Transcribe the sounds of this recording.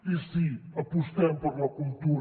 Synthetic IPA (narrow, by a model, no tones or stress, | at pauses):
isĩɐpuʃt̪ɐ̃mpɐɾlˠɐkulˠt̪uɾ